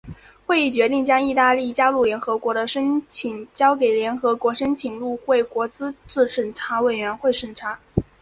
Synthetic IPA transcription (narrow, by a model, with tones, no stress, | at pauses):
xwe˥˧ɪi˥˩t͡ɕɥɛ˧˥t̪i˥˩ŋt͡ɕjɑ˥ŋi˥˧t̪a˥˧li˥˩t͡ɕja˥lu˥˩ljɛ˧˥nxɤ˧˥kwɔ˧˥d̪ə˧ʂə˥nt͡ɕʰi˨˩˦ŋt͡ɕjɑ˥ʊke˨˩ɪljɛ˧˥nxɤ˧˥kwɔ˧˥ʂə˥nt͡ɕʰi˨˩ŋlu˥˧xwe˥˩ɪkwɔ˧˥t͡sɹ̩˥ʈ͡ʂɻ̩˥˩ʂə˨˩ŋʈ͡ʂʰa˧˥we˨˩ɪɥɛ˧˥nxwe˥˩ɪʂə˨˩nʈ͡ʂʰa˧˥